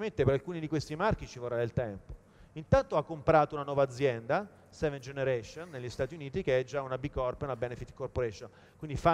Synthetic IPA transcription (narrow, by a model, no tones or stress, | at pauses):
ment̪epeɾalkuːnid̪ikwest̪imark̟it͡ʃivorːad̪elt̪ɛmpo̥ | int̪ant̪oakːompɾaːt̪ounanwɔːvaːd̪zːjɛnd̪a | sɛvend͡ʒeneɾɛʃonːeʎːist̪aːt̪iuniːt̪ikeɛd͡ʒaunabikːɔrpunabɛnefit̪ːkorpoɾɛʃon | kwind̪ifa